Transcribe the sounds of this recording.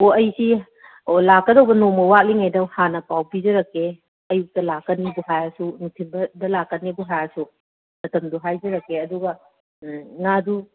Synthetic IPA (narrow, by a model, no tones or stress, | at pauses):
oɐjsi | olakːɐdowbɐnomɐwak̚liŋajdɐwhanɐpawpizɐɾɐkːe | ɐjuk̚tɐlakːɐnibuɦajasunutʰimbɐdɐlakːɐnːibuɦajasu | mɐtʰɐmduɦajd͡ʒɐɾɐkːeɐduɡɐ | ŋadu